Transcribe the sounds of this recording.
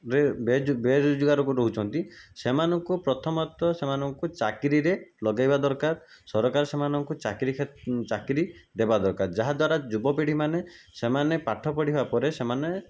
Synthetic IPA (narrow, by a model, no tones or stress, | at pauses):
ɾebed͡ʒbed͡ʒuɡaɾɔkuɾoɦut͡ʃʰɔnt̪isemanɔŋkupɾɔt̪ʰɔmɔt̪ɔsemanɔŋkut͡ʃakiɾiɾelɔɡajbad̪ɔɾkaɾ | sɔɾɔkaɾɔsemanɔŋkut͡ʃakɾikʰet͡ʃakɾid̪ebad̪ɔɾkaɾd͡ʒaɦad̪waɾad͡ʒubɔpeɽ̤imane | semanepaʈʰɔpɔɽiɦebapɔɾesemane